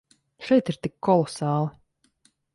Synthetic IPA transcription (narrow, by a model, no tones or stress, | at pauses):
ʃɛjt̪iɾt̪ikʰːɔlˠɔsɑːlˠɨ